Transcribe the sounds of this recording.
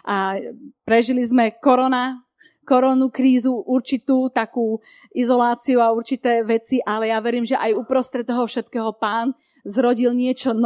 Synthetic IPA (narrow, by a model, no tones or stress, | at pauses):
ʔapɾɛʒilizmɛkɔɾɔna | kɔɾɔnukɾiːzuʔuɾt͡ʃit̪uːt̪akuː | ʔizɔlaːt͡siuauɾt͡ʃit̪ɛːʋɛt͡siʔalɛjaʋɛɾiːmʒɛʔajupɾɔst̪ɾɛt̪̚ɔɦɔfʃɛt̪kɛːɦɔpaːn | zɾɔɟilɲɪɛt͡ʃɔn